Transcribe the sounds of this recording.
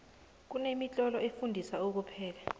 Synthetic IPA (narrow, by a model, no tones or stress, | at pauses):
k̬unemit͡ɬʼɔlɔefundʱisaok̬upʰɛːl̬a